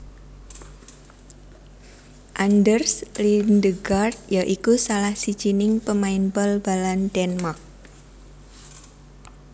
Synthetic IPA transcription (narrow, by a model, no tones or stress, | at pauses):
ʔandərslindəɡart̪̚jaʔikusalahsid̥d͡ʒ̥inɪŋpəmainbəlbaland̥ɛnmak̚